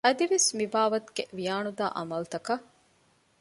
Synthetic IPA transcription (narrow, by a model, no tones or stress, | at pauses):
ɐd̪iʋesmibaːʋɐt̪u̥ɡeʋijaːɳud̪aːʔɐmɐlt̪ɐkɐ